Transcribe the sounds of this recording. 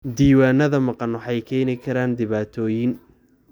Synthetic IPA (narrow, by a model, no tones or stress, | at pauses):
d̪iːwaːnɐðɐmɑqɑnʊħɑjkʰɛːnɪkʰɐɾaːnd̪ɪβaːt̪ʰɔːjɪn